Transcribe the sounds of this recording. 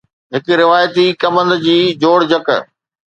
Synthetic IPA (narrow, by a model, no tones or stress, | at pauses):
ɦɪk̆ɾɪʋaːjət̪ikɐmə̃nd̪d͡ʑiːd͡ʑoːɽd͡ʑɐk